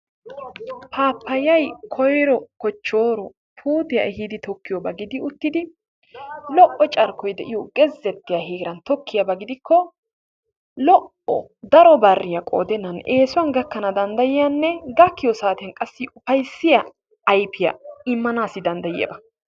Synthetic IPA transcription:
pʰaːpːɐjɐjkʰɔjɾɔkɔt͡ʃːo̞ːɾɔ | pʰuːd̪ɪjaʔɛɦid̪ɪt̪ɔkːɪjɔbɐɡɪd̪ɪʊt̪ːɪd̪ɪ | lɔʔɔt͡ʃʼɐɾkɔjd̪ɛʔɪjɔɡɛzːɛt̪ːɪjɐheːɡɪɾɐnt̪ɔkʰːɪjɐbɐɡɪd̪ɪkʰːɔ | lɔʔ | ɔ̰ | d̪ɐɾɔbɐrːɪjɐkʼo̰ːd̪ɛnːɐneːsʊwɐnɡɐkːɐnɐd̪ɐnd̪ɐjɪjanːɛɡɐkːɪjɔsaːt̪ɪjɐnkʼɐsːɪʔʊfɐjsːɪjɐː | jpʰɪjɐ̰ɪmːɐnaːsːɪd̪ɐnd̪ɐjɪjɐ̰bɐ

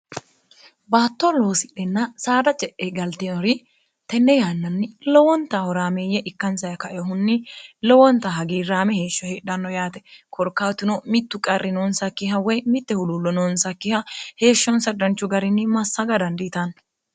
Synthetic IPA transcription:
baːt̪ːɔlo̞ːsɪɗɛnːɐsaːd̪ɐt͡ʃʼɛʔːeɡɐlt̪ɪnɔɾɪ | t̪ɛnːɛjaːnːɐnːɪlɔwɔnt̪ːɐhɔɾaːmeːjɛʔɪkːɐnsɐjɐkɐʔɛɔhʊnːɪlɔwɔnt̪ːɐɦɐɡiːɾaːmɛheːʃːɔheːᶑɐnːɔjaːt̪ɛ̥kʰɔɾkːaːwt̪ɪnɔmɪt̪ːʊkʼɐrːɪnoːnsɐkːɪɦɐwɛjmɪt̪ːɛhʊlʊlːɔnɔːnsɐkːɪhɐhe̞ːʃːɔnsɐd̪ɐnt͡ʃːʊɡɐɾɪnːɪmɐsːɐɡɐd̪ɐnd̪ɪːt̪ɐn

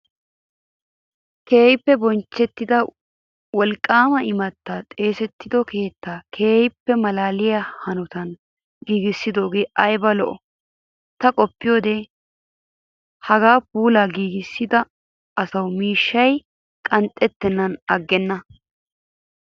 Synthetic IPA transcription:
ke̞ːjɪpːɛbɔnt͡ʃːɛt̪ːɪd̪ɐ | wɔlkʼːaːmɐɪmɐt̪ːaːt̪ʼe̞ːsɛt̪ːɪd̪ɔke̞ːt̪ːaːkʰe̞ːjɪpːɛmɐlaːlɪjahɐnʊt̪ɐn | ɡiːɡɪsːɪd̪o̞ːɡe̞ːʔɐjbɐlɔʔɔ | t̪ɐkʼɔpːɪjo̞ːd̪ɛ | hɐɡaːp̚uːlaːɡiːɡɪsːɪd̪ɐ | ɐsɐwmiːʃːɐj | kʼɐnt̪ʼːɛt̪ːɛnːɐnɐɡːɛnːɐ

